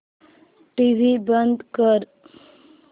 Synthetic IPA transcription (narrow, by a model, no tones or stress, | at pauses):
ʈiʋibənd̪kəɾ